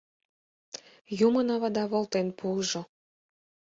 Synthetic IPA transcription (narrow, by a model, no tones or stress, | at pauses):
jumənɑβɑd̪ɑβolt̪enpuʒo